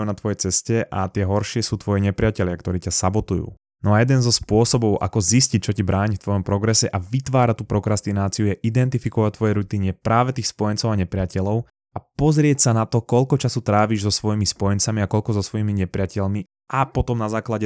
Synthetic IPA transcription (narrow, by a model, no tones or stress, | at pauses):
nat̪ʋɔjɛt͡sɛscɛʔat̪ɪɛɦɔɾʃɪɛsuːt̪ʋɔjɛɲɛpɾɪacɛʎɪakt̪ɔɾiːcasabɔt̪ujṵː | nɔajɛd̪ɛnzɔspʊɔsɔbɔʊʔa̰kɔziscic̚t͡ʃɔcibɾaːɲft̪ʋɔjɔmpɾɔɡɾɛsɛʔaʋit̪ʋaːɾact̪uːpɾɔkɾast̪inaːt͡siujɛʔid̪ɛnt̪ifikɔʋac̚t̪ʋɔjɛɾut̪iɲɛpɾʔaːʋɛt̪iːxspɔjɛnt͡sɔʊaɲɛpɾɪacɛʎɔʊ | ʔapɔzɾɪɛcsanat̪ɔkɔʎkɔt͡ʃasut̪ɾaːʋiːʒzɔsʋɔjimispɔjɛnt͡samiakɔʎkɔzɔsʋɔjimiɲɛpɾɪacɛʎmi | ʔapɔt̪ɔmnazaːklaɟɛ